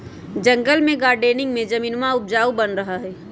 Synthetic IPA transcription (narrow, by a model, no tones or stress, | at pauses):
d͡ʒə̃ŋɡəlmẽɡaːɾɖeːnɪ̃ŋɡmẽd͡ʒəmiːnmaʊp̚d͡ʒaːubənɾɐɦaɦɛː